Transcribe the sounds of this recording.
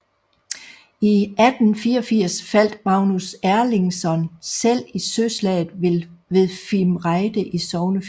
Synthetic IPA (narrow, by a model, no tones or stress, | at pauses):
iæd̥n̩fiːɐɒfiɐ̰sfæl̰d̥mɑ̈ʊnusæɐle̝ŋsɒ̽nsel̰isøslɛ̰ːð̩ˠʋelʋeðˠfilmʁɑ̈ɪd̥əʔisɒʊnəf